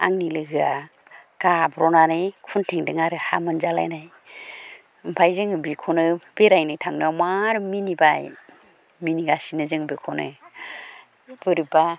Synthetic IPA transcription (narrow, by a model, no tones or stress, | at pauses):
a̰ŋnilɯɡɯa | ɡ̥abɾɔnanɯjkʰuntʰeŋdɯŋaɾɯha̰mɯnzala̰jnaj | m̩pʰajzɯŋbikʰɔnɯbeɾajnajtʰaŋnɯamaɾminibaj | miniɡasinɯzɯŋbikʰɔnɯ̰ | bɯɾɯba